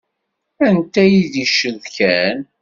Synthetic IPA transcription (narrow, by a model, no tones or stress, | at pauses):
ænt̪æjiðiʃəðkæn